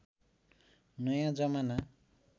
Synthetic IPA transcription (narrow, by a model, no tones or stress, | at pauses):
nʌjãd͡zʌmana